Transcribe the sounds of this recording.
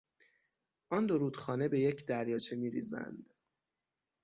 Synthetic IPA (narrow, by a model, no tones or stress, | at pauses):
ʔɒnd̪o̞ɾuːd̪̥xɒːne̞be̞je̞cʰd̪æɾjɒːt͡ʃʰe̞miːɾḭːzæ̰nd̪̥